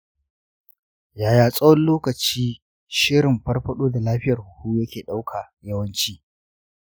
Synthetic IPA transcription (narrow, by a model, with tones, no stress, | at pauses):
jaː˨jaː˨sʼɐ˦wɔ˦nloː˦kɐ˨t͡ʃiː˦ | ʃɪ˦ɽɪ˨mɸɐ˦rɸɐ˦ɗoː˦da˨laː˦ɸɪ˦jɐ˨rhʊ˨huː˦jɐ˦kʲeː˨ɗa˦wkʰa˨jɐ˦wɐ˦nt͡ʃiː˦